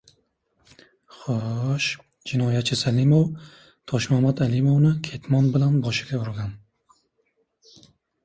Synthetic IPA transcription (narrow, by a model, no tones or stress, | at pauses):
χoʃ | d͡ʒɪnɒjat͡ʃʰɪsalimow | t̪ʰɒʃmahmat̪alimownɪkʲʰe̞t̪mɒnbɪlanbɒʃɪ̥ɡʲauɾɡʲan